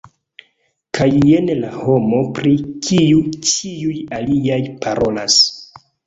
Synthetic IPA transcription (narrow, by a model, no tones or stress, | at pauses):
kʰajenlaho̞mo̞pɾikʰiut͡ʃiujaliajpʰaɾo̞las